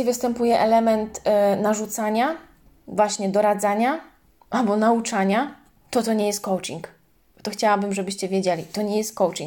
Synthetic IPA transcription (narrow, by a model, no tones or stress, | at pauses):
ivɘst̪ɛmpujɛʔɛlɛmɛnt̪naʐut̪saɲa | vwaɕɲɛd̪ɔɾad̪zaɲa | ʔalbɔnaut͡ʂaɲa | t̪ɔt̪ɔɲɛjɛst̪̚kɔwt͡ʂiŋk | t̪ɔxt͡ɕawabɘmʐɛbɘɕt͡ɕɛvʲjed͡ʑelʲit̪ɔɲɛjɛst̪̚kɔwt͡ʂiŋ